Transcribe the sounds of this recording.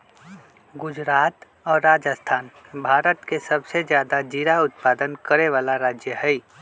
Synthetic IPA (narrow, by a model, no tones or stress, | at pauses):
ɡʊd͡ʒɾaːt̪ | ɔːɾːaːd͡ʒəst̪ʰaːnbʱaːɾət̪kesɐbsed͡ʒjaːd̪ad͡ʒiːɾaʊt̪paːd̪ənkəɾeʋaːlaɾaːd͡ʒjəɦɛi